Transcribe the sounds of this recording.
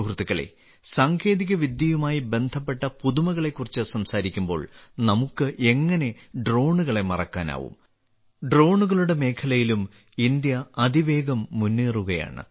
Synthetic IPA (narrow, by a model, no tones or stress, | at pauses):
rt̪ːikːɐɭḛ | saːŋɡʰe̞ːðiɣɐʋid̪jɐjumaːjibe̞nd̪ʱɐpːe̞ʈːɐpuðumɐɣɐɭe̞kːurit͡ɕːɨsɐmsaːɾikʲːumbo̞̰ːɭnɐmukːɨʔe̞ŋːɐne̞ | ɖro̞ːɳuɣɐɭe̞mɐrɐkːaːna̰ːʋṵm | ɖro̞ːɳuɣɐɭuɽe̞me̞ːkʰɐlɐjilum | ind̪jɐɐd̪ʱiʋe̞ːɡɐmːunːeːruɣɐja̰ːɳɨ̰